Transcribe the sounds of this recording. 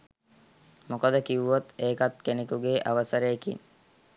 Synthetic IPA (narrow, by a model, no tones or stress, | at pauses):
mokəd̪əkiʋuʋot̪eːkat̪kenekuɡeːʔaʋəsəɾeːkḭn